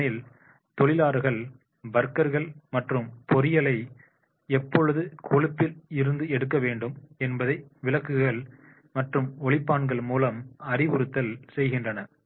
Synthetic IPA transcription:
ɪl | t̪ɔɭɪlaːɾɣɐɭ | bɐɾkɐɾɣɐɭmɐʈrɯmpʰɔɾɪjɐlɐɪ | ɛpːɔɻɯðɯkʰɔɭɪpːɪlɪɾɯnd̪ɯɛɽɯkːɐʋeːɳɖɯmɛnbɐðɐɪʋɪlɐkːɯɣɐɭ | mɐʈrɯmɔɭɪpːaːɳɡɐɭmuːlɐmɐrɪʋʊɾɯt̪ːɐlsɛjɣɪndrɐnɐ

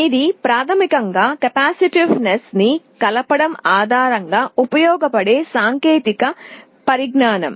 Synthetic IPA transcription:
id̪ipɾaːt̪ʰɐmikɐŋɡaːkɐpaːsiʈiʋnesni | kɐlɐpɐɽɐmaːd̪ʱaːɾɐŋɡaːupɐjɔːɡɐpɐɽe̞ːsaːŋkeːt̪ikɐ | pɐɾiɡnaːnɐ̰m

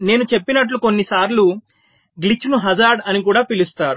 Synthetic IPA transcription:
ne̞ːnut͡ʃe̞pːinɐʈluko̞nːisaːɾlu | ɡlit͡ʃːunuɦɐzaːɾɖɐnikuːɽaːpilust̪aːɾu

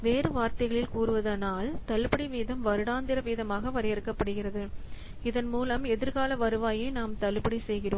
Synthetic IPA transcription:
ʋeːrɯʋaːɾt̪ɐɣɐɭɪlkuːrɯʋɐðɐnaːlt̪ɐlpɐɽiʋiːðɐmʋɐɾɯɽaːnd̪ɪɾɐʋiːðɐmaːɣɐʋɐɾɪjɐɾɯkːɐpːɐɽɯɣɪrɐðɯ | ɪðɐnmuːlɐmɛðɪɾɣaːlɐʋɐɾɯʋaːjeːnaːmt̪ɐlpɐɽisɛjɣɪroː

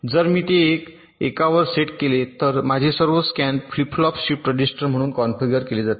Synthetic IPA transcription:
d͡zəɾmiːt̪eːk | ḛkaʋəɾseʈkelet̪əɾmad͡ʑʱesəɾʋəskɛnflipʰlɔpɕipʈɾəd͡ʑisʈəɾm̤əɽ̃uːnkɔnfiɡəɾkeled͡zat̪e

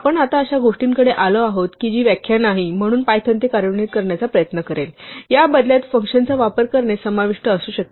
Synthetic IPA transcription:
apəɳat̪aəɕaɡoʂʈiːŋkəɽeʔaləaɦot̪kid͡ʑiːʋjækʰjanaɦim̤əɽ̃uːnpajt̪ʰənt̪ikaɾjəɳit̪̚kəɾɳjat͡sapɾəjət̪nəkəɾeljabəd̪ljat̪fəŋkɕənt͡saʋapəɾkəɾɳesəmaʋiʂʈəːsuːɕək̚t̪e

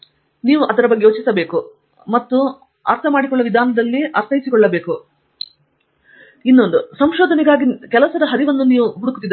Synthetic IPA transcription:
niːʋuʔɐd̪ɐɾɐbɐɡːeoːt͡ʃisɐbe̞ːku | mɐt̪ːu | ɐɾt̪ʰɐmaːɽikɔɭːɐʋid̪ʱaːnɐd̪ɐlːiɐɾt̪ʰɐjisikɔɭːɐbe̞ːku | inːo̞nd̪usɐmʃɔːd̪ʱɐnɛɡaːɡikɛlɐsɐd̪ɐɦɐɾiʋɐnːuniːʋuɦuɽukut̪ːid̪ɐ

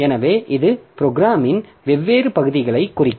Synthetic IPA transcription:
ɛnɐʋeːʔɪðɯpɾoɡɾaːmɪn | ʋɛʋːeːɾɯpɐɣɯðɪɣɐɭɐɪkːʊrɪkː

